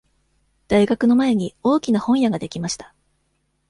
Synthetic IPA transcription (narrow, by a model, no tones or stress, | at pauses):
d̪̥aiɡakɯ̟no̞mae̞ɲ̟io̞ːkʲinahõ̞ɰ̃jaɡad̪e̞kʲimaɕi̥t̪ḁ